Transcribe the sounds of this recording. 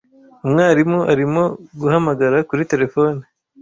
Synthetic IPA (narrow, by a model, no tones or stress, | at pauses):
umŋaːɾimoʔaɾimo̞ɡuhamaɡaɾakuɾite̞ɾe̞fo̞ːni